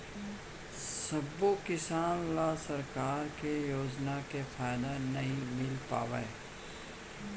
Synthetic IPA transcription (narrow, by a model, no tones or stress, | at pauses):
sɐbokɪsaːnlaːsɐɾkaːɾkejoːd͡ʒnakefʰaːjd̪anɐɦĩmɪlpa̰ːʋa̰e